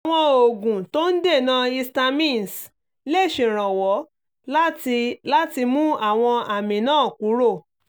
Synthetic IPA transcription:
aa˨w̃ɔ̃˧o˨ɡũ˨to˦n̩˦de˦˨nã˦i˧sta˧mĩ˦˨n˨s | le˦˨ʃẽ˨ɾ̃ã˨wɔ˨˦ | la˦i˧la˦ti˧mũ˦a˦˨w̃ɔ̃˧a˨mĩ˨nãː˦˨ku˨˦ɾo˦˨

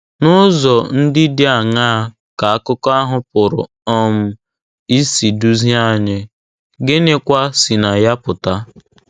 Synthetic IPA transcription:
nʊ˦zɔ˨n̩˦dɪ˦dɪ˦a˨ŋaː˦ | ka˨a˦kʊ˦kɔ˦a˦ɦʊ˦pʊ˨ɾʊ̰˨ | ɔ˦m̩˦ | i˦si˨du˦zi˦a˦˨ɲɪ˨ | ɡɪ˦ne˦kʷa˦si˨na˨ja˦pʊ˨ta˦

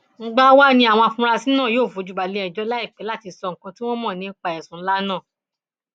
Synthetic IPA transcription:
ŋ̩˦ɡ͡ba˦wa˦nĩ˧˦a˨w̃ɔ̃˧a˧fũ˧ɾa˧sĩ˨˦nãː˦˨joː˦˨fu˨˦d͡ʒu˨ɡ͡ba˨le˨˦ɛ˨d͡ʒɔ˧˦la˦i˦˨k͡pɛ˨˦la˦ti˧sɔ˧ŋ̩˨kã˧tĩ˦w̃ɔ̃˦mɔ̃˦˨nĩ˨˧˦k͡pa˨ɛ˨sũ˨n̩˦la˦nã˦˨

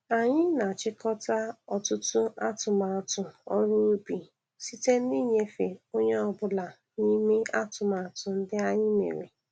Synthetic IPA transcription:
a˨ɲɪ˦na˨t͡ʃɪ˦kɔ˦ta˦ɔ˨tʊ˦tʊ˦a˦tʊ˨ma˨tʊ˨ɔ̰˦ɾu˦ɾu˦bi˨ | si˦te˦ni˦ɲe˦fe˨o˦ɲe˦ɔ˨bʊ˦la˨ | ni˦me˦a˦tʊ˨ma˨tʊ˨n̩˦dɪ˦a˦ɲɪ˦mḛ˨ɾḛ˨

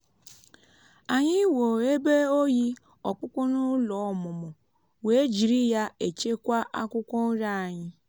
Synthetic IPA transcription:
a˨ɲɪ˦wo˨e˦be˦o˦ji˦ | ɔ˨k͡pʊ˦kʷɔ˦nʊ˦lɔ˨ɔ˨mʊ˨mʊ˨ | we˨e˦d͡ʒi˨ɾi˦ja˦e˨t͡ʃe˦kʷa˦ʔa˦kʷʊ˦kʷɔ˦n̩˦ɾa˦˨a˨ɲɪ˦

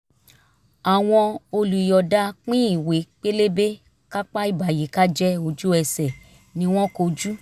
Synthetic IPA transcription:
a˨w̃ɔ̃˧o˧lu˨i˨jɔ˨da˦k͡pĩ˦i˦˨we˨˦k͡pe˦le˦be˦ | ka˦k͡pa˦i˦˨ba˨je˨˦ka˦d͡ʒɛ˦o˧d͡ʒu˦ɛ˧sɛ˨ | nĩ˧˦w̃ɔ̃˦ko˧d͡ʒu˦

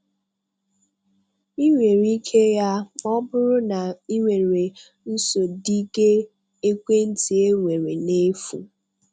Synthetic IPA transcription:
i˦ŋʷe˨ɾi˦kʰe˦ja˦ɔ˦bʊ˦ɾʊ˦na˨i˦ŋʷe˨ɾe˨ | n̩˦so˨di˦ɡe˦ | e˦kʷe˦n̩˦ti˨e˦ŋʷe˨ɾe˨ne˦fṵ˨

